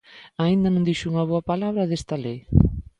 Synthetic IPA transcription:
aĩnd̪ɐnõnd̪iʃuŋɐβoɐpalaβɾɐðest̪ɐlej

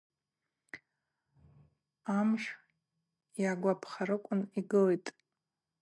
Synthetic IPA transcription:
amʃ | jaɡʷapʰχaɾɨkʷʼʊniɡɨlejtʼ

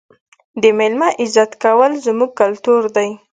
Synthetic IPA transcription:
d̪əmelmaʔɪzɑt̪kawəlzmuɡ̚kalt̪uɾd̪aj

